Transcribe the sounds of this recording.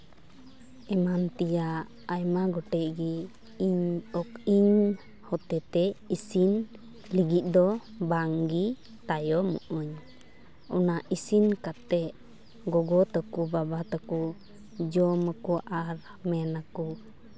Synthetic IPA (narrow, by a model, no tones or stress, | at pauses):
ɛmant̪ija | ajmaɡɔʈɛʔɡi | iɲɔkiɲ | hɔt̪ɛt̪ɛisin | liɡit̪̚ˀd̪ɔ | baŋɡi | t̪ajɔmṵʔuɲ | ɔ̰naʔisinkat̪ɛʔ | ɡɔɡɔt̪ɔkubabat̪ɔku | d͡ʒɔməkuʔaɾ | mɛnaku